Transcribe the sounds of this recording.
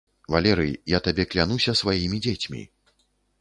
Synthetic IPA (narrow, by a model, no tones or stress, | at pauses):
valʲɛɾɨjjat̪abʲɛklʲanusʲɐsvajimʲid͡zʲet͡sʲmʲḭ